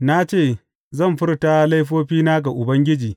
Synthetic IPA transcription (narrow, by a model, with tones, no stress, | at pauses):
na˦t͡ʃeː˦˨ | zɐ˦˨mɸɪ˦rta˦la˦jɸoː˦ɸiː˦naː˦ɡa˨ʔʊ˨bɐ˦ŋɡʲɪ˦d͡ʒiː˨